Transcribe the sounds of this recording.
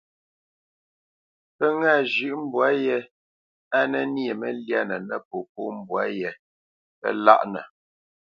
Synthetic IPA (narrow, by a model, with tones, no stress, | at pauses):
pə˦ŋa˦˨ʒʉ˦˨ʔm̩˦bwa˦jɛ˦ | a˦nɛ˦n˦e˨mə˦lja˦nə˨nə˦p̚o˨p̚o˦m̩˦bwa˦jɛ˨ | pə̰˦˨la̰˦ʔnə˨